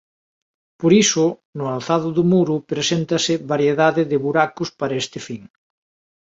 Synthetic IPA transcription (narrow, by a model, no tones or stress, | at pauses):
poɾisʊnʊalθaðʊðʊmuɾʊpɾesent̪ɐsɪβaɾjeðaðɪðɪβuɾakʊspaɾɐest̪ɪfiŋ